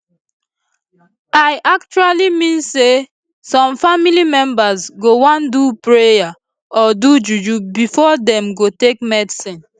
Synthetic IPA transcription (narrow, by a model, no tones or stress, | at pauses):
aɪʔak̚t͡ʃualimĩnse | sɔ̃mfamilimɛ̃mbazɡowɔ̃ndupɹeja | ɔdud͡ʒud͡ʒubifɔdɛ̃mɡotek̚mɛdsĩn